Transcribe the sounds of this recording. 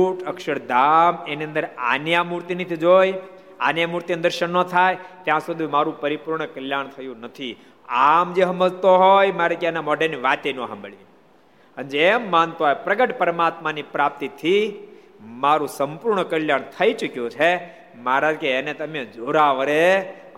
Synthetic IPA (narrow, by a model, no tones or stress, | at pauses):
uʈʰəkʃəɾd̪ameniə̃nd̪əɾa̰njamuɾt̪init̪ʰid͡ʒoj | anjamuɾt̪iənd̪əɾʃənːot̪ʰajt̪jãsud̪ʱimaɾũpəɾipuɾɳkəljaɳ̃t̪ʰəjũnət̪ʰi | amd͡ʒeɦəmbəlt̪oɦojmaɾakeenamɔːɖenːiʋat̪enõɦəmbəɭi | ənd͡ʒemːant̪oɦojpɾəɡəʈpəɾmaːt̪manipɾap̚t̪it̪ʰi | maːɾũsəmpuɾɳəkəljaɽ̃t̪ʰəit͡ʃʊkjõt͡ʃʰe | maɾad͡ʒkeːnet̪əmed͡ʒoɾaʋəɾe